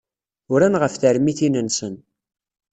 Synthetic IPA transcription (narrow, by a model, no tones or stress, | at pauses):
ʊɾænʁəfθəɾmiθinənsən